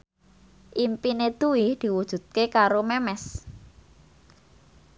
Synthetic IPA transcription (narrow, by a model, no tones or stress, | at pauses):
ʔimpined̪̥uwid̪̥i̤wud̥ʒ̥ṳd̪̥̚kekaɾomɛmɛs